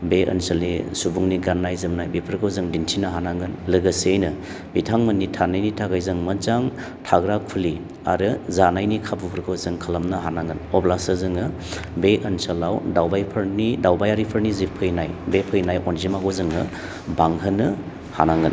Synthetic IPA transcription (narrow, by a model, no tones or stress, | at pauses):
beɐ̰nsɐlnisubuŋniɡanːajzɯmnajbipʰɾkʰɯwzɯŋdintʰinɐɦanaŋɡɯnlɯɡɐsejnɯ | b̥itʰaŋmɐnitʰanajnitʰaɡajzɯŋmɐzaŋ | tʰaɡɾakʰuli | a̰ɾɯzanajnikʰabupʰɾkʰɯwzɯŋkʰɐlɐmnɐɦanaŋɡɯnɔblasɯzɯŋɯ | beʔɐnsɐlawdawbajpʰɐɾnidawbajaɾipʰɐɾnizipʰɯjnajbepʰɯjnajɔnzimaɡozɯŋɯ | baŋɦɯnɐ | ha̰naŋɡɯn